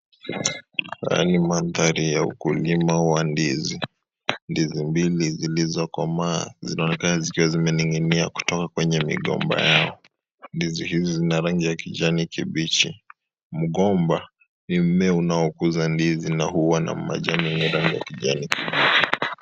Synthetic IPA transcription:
a̰a̰nimaðaɾijaṵkulimawandizi | ndizimbilizilizɔkwama̰ːzinaɔnɛkanazikiwazimɛniŋiniaku̥tɔkakwɛɲɛmḭɠɔ̰mba̰jaɔ | ndizihizizinaɾaŋɡijakiʄanikiɓit͡ʃḭ | m̩ɠɔmba | nim̩mɛunaɔkuzandizinahuwana̰m̩ma̰ʄaniniɾaŋɡija̰kiʄanikiɓit͡ʃi

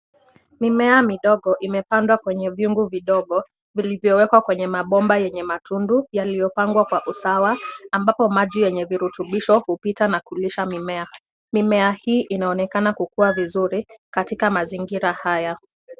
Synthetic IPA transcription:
mimɛamiɗɔɠɔʔimɛpandwakwɛɲɛvjuŋɡuviɗɔɠɔ | vilivjɔwɛkwakwɛɲɛmaɓɔmbajɛɲɛmatʰundujalijɔpaŋɡwakwaʔusawaambapɔmaʄijɛɲɛviɾutuɓiʃɔhupitanakuliʃamimɛa | mimɛahiːʔinaɔnɛkanakukuavizuɾikatikamaziŋɡiɾahaja

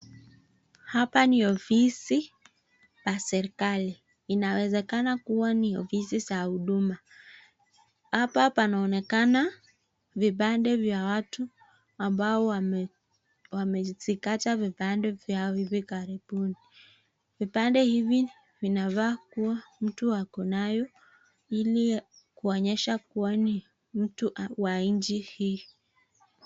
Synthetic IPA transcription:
hapaniɔfisi | pasɛɾikaliː | nawɛzɛkanakuwaniɔfisizahuɗuma | hapapanaɔnɛkana | viɓandɛvjawatu | ambaɔ | wamɛt͡sikatavipandɛvjaiβikaɾiɓuni | vipandɛhivi | vinaβakuwam̩tuwakɔnajɔ | ili | kuɔɲɛʃak̚uani | m̩tuʔawaiɲd͡ʒihi

